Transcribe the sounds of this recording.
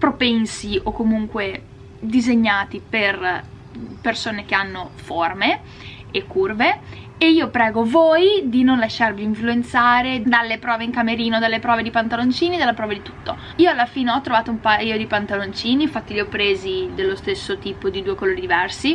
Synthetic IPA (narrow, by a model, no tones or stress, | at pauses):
pɾopɛnsiʔokːomuŋkwe | d̪izeɲːaːt̪iper | persoːnek̟eanːoforme | ekːurveeiːopɾɛːɡovoːjd̪inonlaʃːarviːɱfluent̪saːɾed̪alːepɾɔːveiŋkameɾiːnod̪alːepɾɔːved̪ipant̪alont͡ʃiːnid̪alːapɾɔːved̪it̪u̥t̪ːo | iːoalːafiːneɔt̪ːɾovaːt̪oumpajod̪ipant̪alont͡ʃiːniɱfat̪ːiʎiɔpːɾeːzid̪elːost̪esːot̪iːpod̪id̪uːekoloːɾid̪ivɛrsi